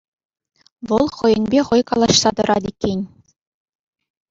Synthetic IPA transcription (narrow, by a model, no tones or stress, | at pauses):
ʋɤ̆lˠχɤ̆jɤ̆nʲbʲeχɤ̆jkɑlˠɑɕsɑt̪ɤ̆ɾʔɑd̪ʲikʲːenʲ